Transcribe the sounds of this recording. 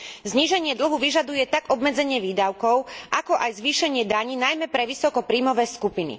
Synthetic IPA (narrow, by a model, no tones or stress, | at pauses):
zɲiʒɛɲɪɛd̪l̩ɦuʋiʒad̪ujɛt̪aɡɔbmɛd͡zɛɲɪɛʋiːd̪aʊkɔʊʔakɔʔajzʋiːʃɛɲɪɛd̪aɲiːnajmɛpɾɛʋisɔkɔpɾiːmɔʋɛːskupinḭ